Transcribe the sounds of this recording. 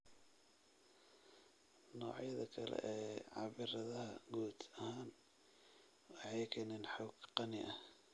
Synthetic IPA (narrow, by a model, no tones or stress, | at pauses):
nɔːʕjɐðɐkʰɐlɛ̰ʔɛːʕɑβɪɾɐðɐhɐɡuːd̪ɐhaːn | jkʰɐnɛnħɔɡqɑnɪʔɐh